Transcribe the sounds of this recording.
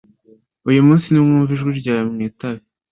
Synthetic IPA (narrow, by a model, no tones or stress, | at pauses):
ujumũːnsinumŋuːɱviʒɡwiɾɟaːjamŋiːtaβi